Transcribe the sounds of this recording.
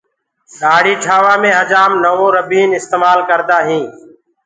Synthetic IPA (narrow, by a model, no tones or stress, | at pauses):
ɗaːɽiːʈʰaːʋaːmẽːɦəd͡ʒaːmnəʋõːɾəbiːnɪst̪eːmaːlkəɾt̪aːɦĩː